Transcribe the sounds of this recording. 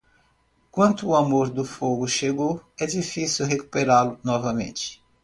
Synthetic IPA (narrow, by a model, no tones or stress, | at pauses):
kwɐ̃nt̪ʊːamoɾd̪ʊfoɡʊʃeɡowɛd͡ʒifisiwɦeku̥peɾalʊnɔvɐmḛ̃nt͡ʃɪ̥